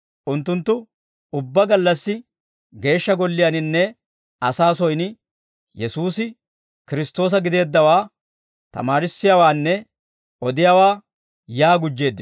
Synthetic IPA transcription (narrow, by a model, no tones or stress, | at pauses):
ʔʊnt̪ːʊnt̪ːʊ | ʊbːɐɡɐlːɐsːɪ | ɡe̞ːʃːɐɡɔlːɪjɐnɪnːɛ | ɐsaːsɔjnɪ | jɛsuːsɪ | kɪɾɪst̪o̞ːs̬ɐɡɪd̪e̞ːd̪ːɐwaː | t̪ɐ̰maːɾɪsːɪjaːwaːnːɛ | ʔɔd̪ɪjawaː | jaːɡʊd͡ʒːe̞ːd̪ːɪ